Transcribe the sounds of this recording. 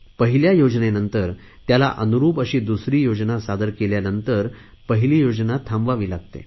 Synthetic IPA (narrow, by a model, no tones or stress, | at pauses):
pəɦiljajod͡ʑnenənt̪əɾ | t̪jala̰ʔənuɾuːpəɕiːd̪usɾiːjod͡znasad̪əɾkeljanənt̪əɾ | pəɦiliːjod͡znat̪ʰãmʋaʋiːlaɡ̚t̪ḛ